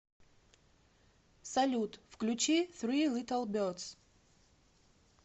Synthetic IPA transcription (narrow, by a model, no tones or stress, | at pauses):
sɐlʲut̪fklʲut͡ɕiθɾilʲit̪əlˠbʲɔt̪s